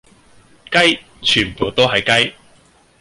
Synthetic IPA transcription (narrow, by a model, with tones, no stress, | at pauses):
kɐ˥j | t͡ʃʰyː˨˩npo˨wt̪o˥wɦɐ˨˩jkɐ˥j